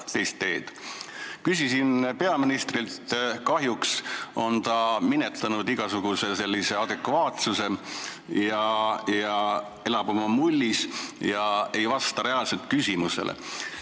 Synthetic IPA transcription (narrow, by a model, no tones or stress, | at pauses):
t̪e̞jst̪ːe̞ːd̪̥kysʲisinpe̞ɑminist̪rilt̪kɑɦjukso̞nt̪ɑminet̪ːˑɑnud̪iɡ̥ɑsuɡ̥use̞se̞lʲːise̞ɑd̪e̞kvɑːt̪suse̞ | jɑjɑ | e̞lɑb̥umɑmulʲːisjɑe̞jvɑst̪ɑɾe̞ɑlse̞lt̪̚kysʲimuse̞̰lʔḛ